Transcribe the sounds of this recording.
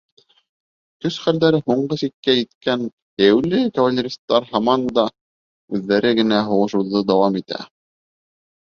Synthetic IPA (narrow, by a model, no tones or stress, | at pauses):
k̪ɵsχæld̪æɾɘɦuɴɢɤsikkːæjit̪kæn | hjæwlɘkɐvalʲːeɾʲist̪ːɑɾhɑmɑnd̪ɑ | ʉðːæɾɘɡɘ̆næɦuʁɤ̆ʃŭwðɤd̪ɑwɑmit̪æ̰